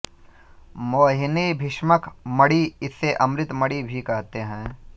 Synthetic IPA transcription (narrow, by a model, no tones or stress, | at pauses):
moːɦɪnebʱɪʃməkmɐɽiɪsːeʔɐ̃mɾɪt̪məɽibʱikɐɦt̪eɦɛ̃ː